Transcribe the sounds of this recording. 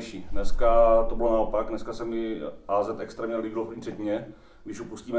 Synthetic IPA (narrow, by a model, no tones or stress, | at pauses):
ʃiːnnɛskat̪obɪlonaopaɡnɛskasɛmɪʔaːzɛt̪ɛkst̪ɾɛːmɲɛliɡlofir̥ɛcɪɲɛ | ɡdɪʃupusciːmɛ